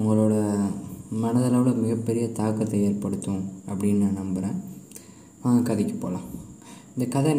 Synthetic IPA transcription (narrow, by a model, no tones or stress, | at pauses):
ʊŋɡɐɭoːɽɐ | mɐnɐðɐlaːʋɐlɐmɪɣɐpːɛɾɪjɐt̪aːkːɐt̪ːɐjɐɾpɐɽɯt̪ːʊ̃ɐpːɐɽɪnːanɐmbɐɾẽː | aːŋɡɐkɐðɪkʲːɐ̥po̰ːlã̰ː | ɪnd̪ɐkɐðɐ